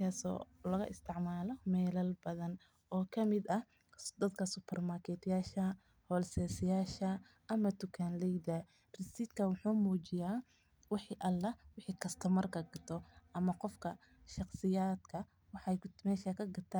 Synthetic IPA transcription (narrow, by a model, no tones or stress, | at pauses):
kʰaːsɔ̰ːlɐɣɐʔɪst̪ʰɪʕmaːlɔmɛːlɐlbɐðɐn | ʔɔːkʰɐmɪd̪ɐ | d̪ɐd̪kʰɐsʊpʰɛrmaːrkʰɛt̪ʰjaːʃɐ | hɔːlsɛːsɪjaːʃɐ | ʔɐmɐt̪ʊkʰanlɛjd̪ɐ | rɪsɪt̪kʰɐwʊħuːmuːt͡ʃɪjaː | wɑħiːʔɐlːɐwɪħiːkʰɐst̪ʰɔmɐrkʰɐɡɐt̪ʰɔʔɐmɐqɔfkʰɐ | ʃɑqsɪjaːd̪kʰɐ | wɑħɑjmɛːʃɐkʰɐɡɐt̪ʰaː